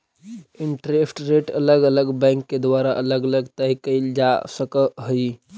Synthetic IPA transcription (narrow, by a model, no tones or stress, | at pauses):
iɳʈɾesʈɾeʈələɡələɡbɛ̃ŋkːed̪ʋaɾaʔələɡələɡt̪əjkəld͡ʒasəkəɦəj